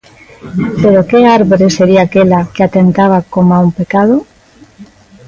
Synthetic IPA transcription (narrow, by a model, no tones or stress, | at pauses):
pe̞ɾoke̞aɾβoɾe̞se̞ɾiaːkelakeat̪e̞nt̪aβ̞akomoaumpe̞kað̞o